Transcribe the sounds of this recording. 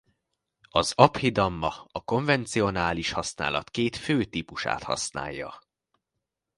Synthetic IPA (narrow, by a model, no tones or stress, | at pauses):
ɒzɒphid̪ɒmːɒɒko̞ɱvɛnt̪sio̞naːliʃhɒsna̰ːlɒ̰t̪keːt̪føːt̪iːpuʃa̰ːt̪hɒ̰sna̰ːjːɒ̰